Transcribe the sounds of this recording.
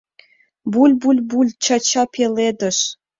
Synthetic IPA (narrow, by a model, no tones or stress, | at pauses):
bulʲbulʲbulʲt͡ɕɑt͡ɕɑpʰeled̪ə̆ʃ